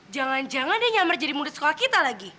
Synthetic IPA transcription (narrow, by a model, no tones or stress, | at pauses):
d͡ʒaŋand͡ʒaŋandiaɲamərd͡ʒadimudasə̥kolahkit̪alaɡi